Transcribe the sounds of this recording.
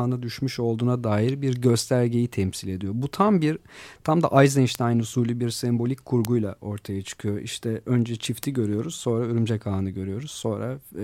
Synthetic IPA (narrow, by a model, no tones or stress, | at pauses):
nad̪yʃmyʃo̞lˠd̪uːnad̪aːjiɾbiɾɟø̞st̪ʰæɾɟe̞jit̪ʰɛmsilʲe̞d̪ijo̞but̪ʰambiɾt̪ʰamd̪a̰ʔajzɛnʃt̪ʰɛajnusuːlʲibiɾsɛmbo̞lʲicʲʰkʰuɾɡujlˠaʔo̞ɾt̪ʰajat͡ʃʰɯ̥kʰɯjo̞ʔḭʃt̪ʰɛønd͡ʒɛt͡ʃʰift̪ʰiɟø̞ɾyjo̞ɾuz̥so̞ːnɾayɾymd͡ʒɛkʰaːnɯɟø̞ɾyjo̞ɾuz̥so̞nɾa